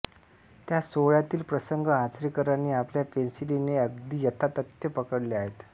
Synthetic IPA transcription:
t̪jasoɭjat̪iːlpɾəsəŋɡʱəat͡sɾikəɾaniːapljapensilineəɡd̪iːjət̪ʰat̪ət̪jəpəkəɽleaɦet̪

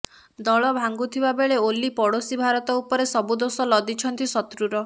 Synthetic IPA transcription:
d̪ɔɭɔbʱaŋɡut̪ʰibabeɭeolipɔɽosibʱaɾɔt̪ɔupɔɾesɔbud̪osɔlɔd̪it͡ʃʰɔnt̪isɔt̪ɾuɾɔ

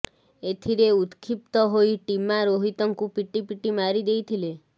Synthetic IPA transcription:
et̪ʰiɾeut̪kʰip̚t̪ɔɦoiʈimːaɾoɦit̪ɔŋkupiʈːipiʈːimaɾid̪ejt̪ʰile

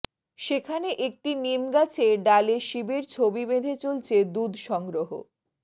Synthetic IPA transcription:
ʃekʰaneʔek̚ʈinimɡat͡ɕʰeɖaleʃibeɾt͡ɕʰobibed̪ʱet͡ɕolt͡ɕʰed̪ud̪ʱʃɔŋɡɾoɦo̰

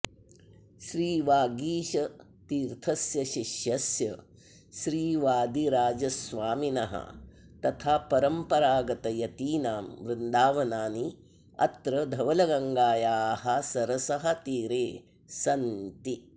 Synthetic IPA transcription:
ʃɾiːʋaːɡiːʃɐ | t̪iːɾt̪ʰɐsjɐʃiʃjɐsjɐ | ʃɾiːʋaːd̪iɾaːd͡ʒɐsʋaːminɐɦɐ̰ | t̪ɐt̪ʰaːpɐɾɐmpɐɾaːɡɐt̪ɐjɐt̪iːnaːmʋɾɪnd̪aːʋɐnaːni | ɐ̰t̪ɾɐd̪ʱɐʋɐlɐɡɐŋɡaːjaːhɐsɐɾɐsɐɦɐ̆t̪iːɾeː | sɐnt̪i

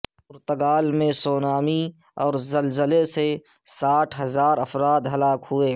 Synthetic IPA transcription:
ʊɾt̪əɡaːlmẽsoːnaːmi | ɔːɾzəlzəlese | saːʈʰɦɐzaːɾəfɾaːd̪ɦɐlaːkɦʊeː

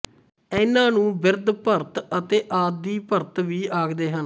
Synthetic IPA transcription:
ɛːnãːnũːbɪɾd̪pəɾt̪ət̪eːʔaːd̪iːpəɾt̪ʋiːaːɡd̪eːɦən

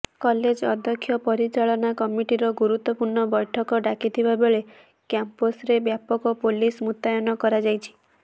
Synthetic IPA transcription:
kɔled͡ʒɔd̪ʱjɔkʰːjɔpɔɾit͡ʃaɭɔnakɔmiʈiɾɔɡuɾut̪wɔpuɾɳɔbɔjʈʰɔkɔɖakit̪ʰibabeɭe | kjamposɾebjapɔkɔpolismut̪ːajɔnɔkɔɾad͡ʒajt͡ʃʰi̥

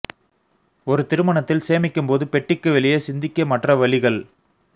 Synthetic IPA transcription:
ɔɾɯt̪ɪɾɯmɐɳɐt̪ːɪlseːmɪkːɯmpoːðɯpɛʈːɪkːɯʋɛɭɪjɐsɪnd̪ɪkːɐmɐʈrɐʋɐɭɪɣɐɭ

